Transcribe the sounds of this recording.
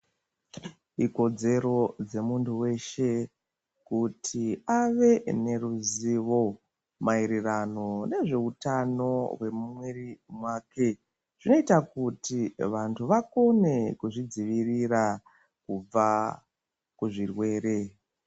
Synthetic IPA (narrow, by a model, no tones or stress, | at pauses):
iko̞d͡ze̞ɾo̞d͡ze̞muntʰuwe̞ʃe̞ | kutʰiaʋe̞ne̞ɾuziʋo̞ | maiɾirano̞ne̞ʐe̞utano̞we̞mumwerimwaːke̞ | ʐ̥ino̞itakutiʋantʰuʋako̞ne̞kuʐid͡ziʋirira | kub͡va | kuʐirwe̞ːɾe̞